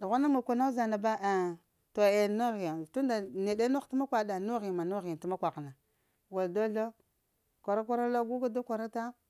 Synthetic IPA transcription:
du˨ɣa˦na˦ma˨kʷa˨na˦za˨na˨ba˦a˨ | to˨e˨nu˦ɣi˨ja˨tu˦nda˨ne˨de˦no˦ti˦ma˦kʷa˨da˨nu˦ɣi˨ma˨nu˦ɣi˨ti˦ma˦kʷa˨kna˨ | wa˨ldo˦ɬo˦ | kʷa˨ɾa˦kʷa˦ɾa˦lo˦ɡu˦ɡa˦do˦kʷa˨ɾa˦ta˦

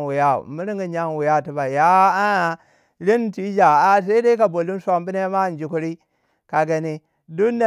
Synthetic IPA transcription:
wu˨ja̰˦˨mi˦ɾi˦ŋɡi˨ɲa˦n˨wu˨ja˦˨ti˨ba˨ja˦a˦˨ | li˦n˨ti˦d͡ʒa˨a˦s̬a˦i˦da˦ka˨bo˨lu˦n˦sʷa˦mbi˦ne˦ma˦˨n˨d͡ʒi˨ku˦ɾi˦ | ka˨ɡa˨ni˦ | du˦na˨

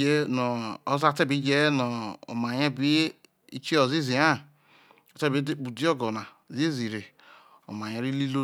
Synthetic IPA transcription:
e˦no˨o˦za˦te˦bi˦d͡ʒe˦nɔ˨o̰˨ma˨ɲe˦be˦ | ḭ˦t͡ʃi˦o˨zi˦zi˨a˦ | o˨te˦be˦k͡pu˨di˦o˦ɡo˨na˨zi˦zi˨ɾe˨ | o̰˨m˨a˨ɲe˨ɾi˦li˦lo˦

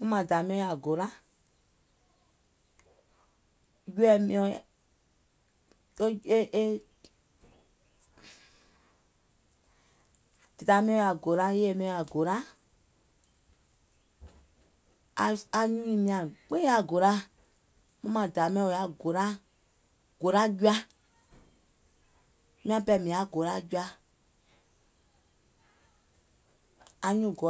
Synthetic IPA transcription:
mũ˦mã˨da˨mĩ˧˦ɔ̃˧˦ja˨ɡo˨ɾa˦ | ju˦ɛ˨mĩ˧ɔ̃˧˦ | e˦ʔe˦ | d̥e˨da˨mĩ˦ɔ̃˧ja˨ɡo˨ɾa˦je˦e˦˨mĩ˧˦ɔ̃˧ja˨ɡo˨ɾa˦ | a˧a˧ɲũ˦ĩ˧mĩ˧ã˨k͡pe˦a˧ɡo˨ɾa˦ | mã˦mã˨da˨mɛ̃˧˦ɔ˨a˨ɡo˨ɾa˦ | ɡ̥o˨ɾa˦ɟu˦a˧˦ | mĩ˦ã˧pɛ˧˨mĩ˨a˨˦ɡo˨ɾa˦ɟu˦a˧ | ɲũ˦˨ɡo˨

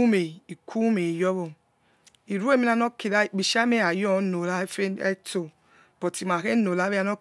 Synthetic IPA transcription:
me˨i˨kʰu˦me˨jɔ˦βo˨ | i˨ɾe˦˨mi˦a˦no˦ke˨ɾa˦˨bi˨ʃa˦me˦a˨jɔ˦˨˦no˨la˦fe˦to˨ | b̥o˨ti˨m˨a˨ke˦no˨la˦e˦a˦no˦

